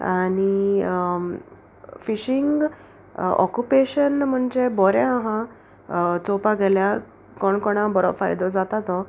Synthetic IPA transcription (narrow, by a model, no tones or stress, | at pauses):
aɽ̃i | fiɕiŋɡ | ɔ̰kjupeɕənm̤əɳd͡zebɔɾẽaɦã | t͡sɔpaɡʱɛlja | kɔɳkɔɽ̃ãbəɾɔ̰fa̰jd̪ɔd͡zat̪at̪ɔ